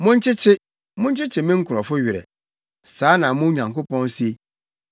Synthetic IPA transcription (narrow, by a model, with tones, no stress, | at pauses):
mʊ̃˦ɲ̩˦t͡ʃʰɪ˦t͡ɕʰɪ˦ | mʊ̃˦n̩˦t͡ʃɪ˦t͡ɕʰɪ˨mɪ̃˦ŋ̩˦kʰʊ˨ɾɔ˨fʊ˦ɥɪ˨ɾɛ̰˨ | saː˨˦nã˨mʊ̃˦ɲã˨ŋko˦pɔ̃˦n˦si˦e˦